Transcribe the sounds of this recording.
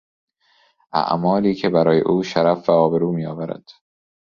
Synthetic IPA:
ʔæ̰ʔmɒːliːcʰe̞bæɾɒːjḛʔuːʃæɾæfvæɒːbe̞ɾuːmiːjɒːvæɾæ̰d̪̥

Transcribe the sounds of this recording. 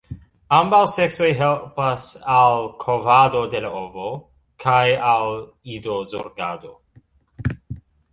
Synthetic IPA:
ambawsekso̞jɦelpasalkʰovado̞de̞laovo | kʰajal | ido̞zoɾɡado̞

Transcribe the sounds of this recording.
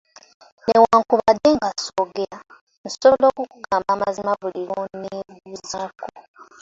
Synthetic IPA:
newaːŋkuβadːe̞ŋɡasoːɡeɾa | nsolo̞ːkuku̥kaːmbamazimaβuliɾoneβuzako

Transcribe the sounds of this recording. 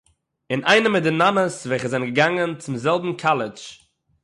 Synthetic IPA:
ɪnaɪnəmɪdɪnanəsvɛχəzaɪnɡəɡaŋənt͡sɪmzɛlˠbm̩kʰalˠɪt͡ʃ

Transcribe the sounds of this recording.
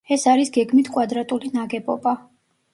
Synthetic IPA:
ɛsaɾisɡɛɡmit̪ʰkʼwad̪ɾat̪ʼulinaɡɛbɔba

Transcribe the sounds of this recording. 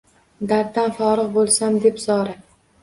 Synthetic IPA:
d̪aɾd̪anfɒɾɨqbolˠsamd̪e̞pzɒɾa

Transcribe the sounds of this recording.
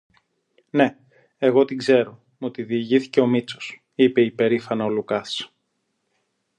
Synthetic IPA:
ne̞ | eɣo̞t̪iɡze̞ɾo̞ | mot̪iðiːʝiθi̥ce̞o̞mit͡so̞̥s | ipe̞ipe̞ɾifɐnɐo̞lukɐs

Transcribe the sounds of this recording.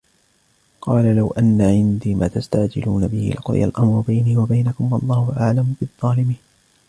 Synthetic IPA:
qɑːlalawʔanːaʕɪnd̪iːmaːt̪ast̪aʕd͡ʒɪ̰luːnabɪhɪ̰lʔaqʊɾˤɪ̰ja̰lʔamɾˤʊbajniːwabajnakʊmwɑlˤːɑːhʊʔaʕlambɨðˤːɑːlɪmiːn

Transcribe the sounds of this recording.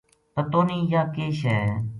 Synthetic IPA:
t̪ət̪oːniːjaːkeːʃɛː

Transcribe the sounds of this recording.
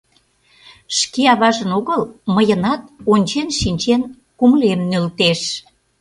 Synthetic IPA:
ʃkeɑβɑʒə̆noɣəlməjənɑt̪̚onʲt͡ɕenʃinʲt͡ɕen | kumlemnølt̪eʃ

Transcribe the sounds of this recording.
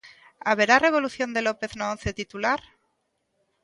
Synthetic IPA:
aβ̞e̞ɾare̞β̞o̞luθjo̞nd̪e̞lopeθnoonθet̪it̪ulaɾ

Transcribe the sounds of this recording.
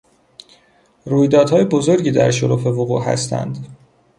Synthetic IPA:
ruːjd̪ɒːd̪hɒːjebo̞zo̞ɾɟiːd̪æ̰ɾʃoɾuːfe̞voɣṵːʔɦæ̰st̪ʰæ̰nd̪

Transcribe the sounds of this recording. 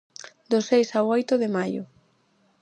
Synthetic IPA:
d̪osejsawojt̪ʊðɪmajʊ̰

